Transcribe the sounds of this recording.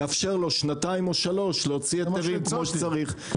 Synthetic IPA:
afʃeʁlo̞ʃnataimo̞ʃalo̞ʃleot͡siateʁimkmoʃet͡saʁiχ

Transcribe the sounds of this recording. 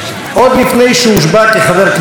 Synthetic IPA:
ʔod̪lifnejʃɛuʃbat̪leχaveʁk

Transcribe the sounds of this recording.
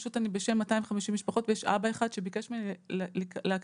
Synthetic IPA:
ʃutanibeʃemːataimveχamiʃimːiʃpaχo̞tvejeʃa̰baeχad̥ʃebikeʃmellleak

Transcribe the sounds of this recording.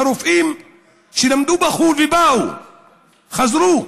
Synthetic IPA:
aɾufim | ʃinam̩dubaxuvibaṵ | xazɾu

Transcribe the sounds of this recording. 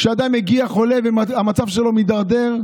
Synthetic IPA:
ʃead̪amheɡiaχo̞le̞vemaamat͡savʃelo̞mid̪aʁd̪e̞ʁ

